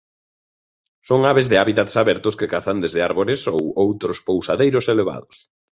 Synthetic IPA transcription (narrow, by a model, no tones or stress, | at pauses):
soŋaβezðɪaβit̪at̪saβɛɾt̪ʊskekaθand̪ezðɪaɾβoɾɪsowowt̪ɾʊspowsaðejɾʊseleβ̞a̰ðʊs